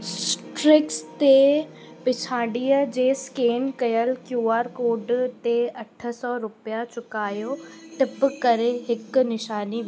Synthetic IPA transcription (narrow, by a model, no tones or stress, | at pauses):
sʈɾɪkst̪e | pɪt͡ɕʰaːɽijəd͡ʑeːskeːnkɐjəlkjuːaːɾkoːɖt̪eɐʈʰə̆sɔːɾʊpijat͡ɕʊkaːjoʈɪpkɐɾeɦɪk̆nɪʃaːni